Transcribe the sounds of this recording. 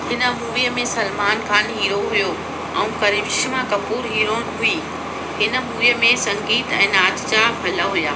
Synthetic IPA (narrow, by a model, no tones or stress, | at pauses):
hɪnə̆muːʋijəmẽsɐlmaːnkʰaːnɦiːɾoɦujo | ɛ̃ũkɐɾibʃmãkɐpuːɾɦiːɾoːɽ̃ɦʊiː | hɪnə̆muːijəmẽsɐ̃ŋɡiːt̪ɛ̰̃ːnaːt̪t͡ɕabʱɐlaɦujaː